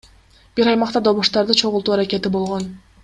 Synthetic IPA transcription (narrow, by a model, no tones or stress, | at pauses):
b̥iɾɑjmɑqt̪ɑd̪o̞βuʃt̪ɑɾd̪ɯt͡ʃʰo̞ʁulˠt̪uːaɾakʲe̞t̪ibo̞lˠʁo̞n